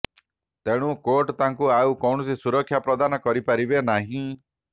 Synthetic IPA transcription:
t̪eɽ̃ũkoʈt̪aŋkuaukɔwɳɔsisuɾɔkʰːjapɾɔd̪anɔkɔɾipaɾibenaɦĩ

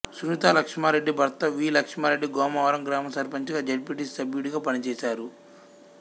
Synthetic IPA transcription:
sunit̪aːlɐkʂmaːɾe̞ɖːibʱɐɾt̪ɐʋiːlɐkʂmaːɾeɖːiɡɔːmɐʋɐɾɐmɡɾaːmɐsɐɾpɐɲt͡ʃiɡaːd͡ʒɐlpiʈissɐbjuɽiɡaːpɐnit͡ʃɛːsaːɾu

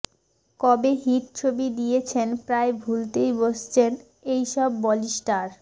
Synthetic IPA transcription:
kɔbeɦiʈt͡ɕʰobid̪ijet͡ɕʰenpɾaebʱult̪ejboʃt͡ɕʰen | ejʃɔbːɔliʃʈaɾ

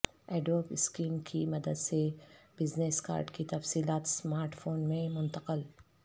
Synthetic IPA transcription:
ɛːɖoːpɪskiːmkʰimɐd̪əd̪seb̥ɪzneːska̰ːɾɖkit̪ɐfsiːlaːt̪smaːɾʈfoːnmẽmʊ̃nt̪əqəl

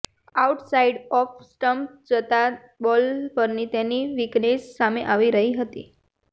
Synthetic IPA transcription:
auʈsaiɖɔfsʈəmpd͡ʒət̪a | bɔlpəɾnit̪jeniʋiknesːameʔaʋiɾəɦiɦət̪ḭ

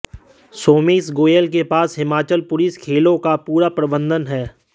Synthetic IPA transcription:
soːmiːs̬ɡoːjəlk̬epaːsɦɪmaːt͡ʃəlpʊlɪskʰeːlõkapuːɾapɾəbə̃nd̪ənɦɛː

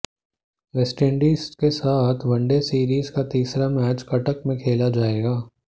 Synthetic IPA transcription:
ʋɛsʈẽɳɖiːskesaːt̪ʰʋɐ̃ɳɖesiːɾiːzkat̪iːsɾamɛːt͡ʃkɐʈəkmẽkʰeːlad͡ʒaːeːɡaː

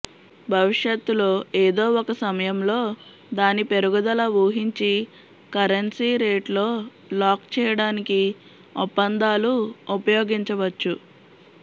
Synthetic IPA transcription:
bʱɐʋiʂjɐt̪ːulo̞ːeːd̪o̞ːɔkɐsɐmɐjɐmlo̞ː | d̪aːnipe̞ɾuɡɐd̪ɐlɐʋuːɦiɲt͡ʃi | kɐɾɐnsiːɾeːʈlo̞ː | laːkt͡ʃɛːjɐɽaːniki | ɔpːɐnd̪aːluupɐjoːɡiɲt͡ʃɐʋɐt͡ʃːu

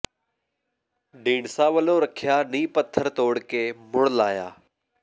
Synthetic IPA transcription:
ɖĩːɳsaːʋəloːɾəkʰɪjaːnĩːpət̪ʰːəɾt̪oːɽkeːmʊɽ̃laːja̰ː

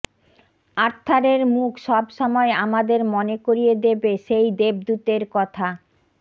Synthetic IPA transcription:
aɾt̪ʰːaɾeɾmukʰʃɔbʃɔmɔeamad̪eɾmonekoɾijed̪ebeʃejd̪eb̚d̪ut̪eɾkɔt̪ʰa

